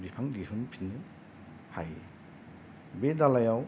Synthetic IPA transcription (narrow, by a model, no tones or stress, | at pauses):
bipʰaŋdisunpʰinːɯ | haj | bedalajaw